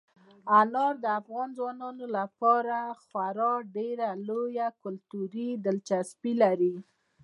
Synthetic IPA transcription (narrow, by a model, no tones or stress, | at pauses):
anɑɾd̪əafɣɑnzwɑnɑnolapɑɾaxwaɾɑɖeɾalojakʊlt̪uɾid̪əlt͡ʃaspilaɾi